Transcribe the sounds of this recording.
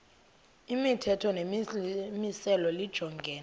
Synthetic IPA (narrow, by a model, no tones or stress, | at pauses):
imitʰɛtʰɔnemmisɛlɔlid̥ʒ̥ʱɔŋɡʱɛːna